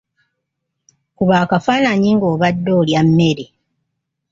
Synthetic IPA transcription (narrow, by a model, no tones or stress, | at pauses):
kuβaːkafaːnaɲiŋɡo̞ːβadːo̞ːljamːe̞ɾe